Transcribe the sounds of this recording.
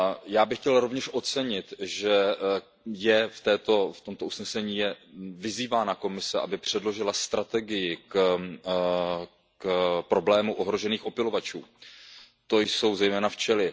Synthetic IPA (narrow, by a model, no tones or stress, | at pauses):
jaːbɪxcɛlɾo̞vɲɛʃʔo̞t͡sɛɲɪt̪ʒɛ | jɛft̪ɛːt̪o̞ft̪o̞mt̪ousnɛsɛɲiːjɛvɪziːvaːnako̞mɪsɛʔa̰bɪpr̝̥ɛdlo̞ʒɪlast̪ɾat̪ɛɡɪjɪk | kpɾo̞blɛːmuʔo̞ɦɾo̞ʒɛniːxo̞pɪlo̞vat͡ʃṵː | t̪o̞jso̞wzɛjmɛːnaft͡ʃɛlɪ